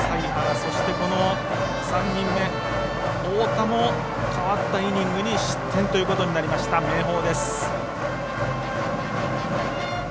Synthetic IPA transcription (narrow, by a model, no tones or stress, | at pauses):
saihaso̞ɕi̥t̪e̞ko̞no̞ | sãɲːĩmːe̞ | oːt̪amo̞ | kaβat̪ːaiɲ̟ʲĩŋɡɯ̟ɲ̟iɕi̥t̪ʰːẽ̞nt̪o̞jɯko̞t̪oɲ̟inaɾʲimaɕi̥t̪ame̞ːɦo̞ːd̪e̞sɨ̥